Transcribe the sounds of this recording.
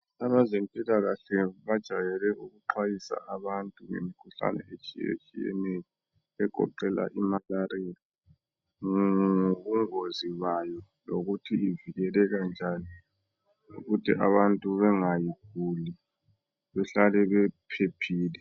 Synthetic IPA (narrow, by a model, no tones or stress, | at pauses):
aβazempʼilaɣaɬɛβad̥ʒ̥ʱajɛlɛʔuɣuǃwajisa̰aβantʼuŋḛmikʰuɬa̰nɛ̰et͡ʃʼḭjḛt͡ʃʼijɛ̰nejɔ | ɛɡ̥ʱɔ̰ǃɛla̰ʔimalaria | ŋoɣuŋoziβajɔ | loɣutʰiiviɣɛlɛɣand͡ʒʱani | uɣutʰḭʔa̰βantʼuβɛŋajiɡ̥̚ʱuli | βɛɬalɛβɛpʰepʰiːlɛ